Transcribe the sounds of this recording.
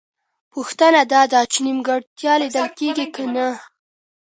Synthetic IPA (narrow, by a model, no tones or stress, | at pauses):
puxt̪ənad̪ɑd̪at͡ʃɪnimɡaɽt̪jɑlid̪əlkeɡikana